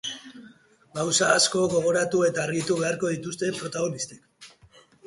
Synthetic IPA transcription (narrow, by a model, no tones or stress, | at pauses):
ɡawsaːsko̞ɣo̞ɣ̞o̞ɾat̪ue̞t̪aːɾɣit̪uβe̞aɾko̞ð̞it̪ust̪e̞pɾo̞t̪aɣ̞o̞nist̪ek